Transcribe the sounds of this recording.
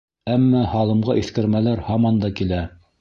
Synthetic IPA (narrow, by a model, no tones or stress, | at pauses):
æmːæhɑlˠɤ̆mʁɑʔiθkɘ̆ɾmælæɾhɑmɑnd̪ɑkilæ